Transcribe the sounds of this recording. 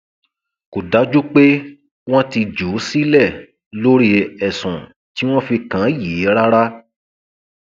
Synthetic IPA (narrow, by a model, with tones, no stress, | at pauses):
ku˨da˨˦d͡ʒu˦k͡pe˦ | w̃ɔ̃˦ti˧d͡ʒu˨˦si˦lɛ˦˨ | lo˦ɾi˦ɛ˨sɔ̃˨ | ti˦w̃ɔ̃˦fi˧kã˨˦jiː˨˦ɾa˦ɾa˦